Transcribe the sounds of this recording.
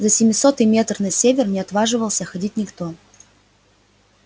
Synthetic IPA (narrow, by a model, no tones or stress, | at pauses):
zəsʲɪmʲɪso̞t̪ɨjmʲe̞t̪rnɐsʲevʲɪrnʲɪɐt̪vaʐɨvəlˠsʲəxɐdʲitʲnʲɪkt̪o̞